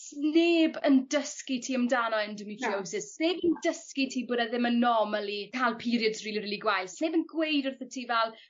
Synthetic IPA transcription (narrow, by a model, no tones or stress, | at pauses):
sneːbəndəskitʰiːəmdanɔɛndɪniɬʰiowsɪsneːbəndəskitʰiːboːdaðɪmənɔmalˠikʰalˠpʰiɾjɔdsriːlˠiriːlˠiɡwajθneːbənɡwejdʊrθətʰiːvɛlˠ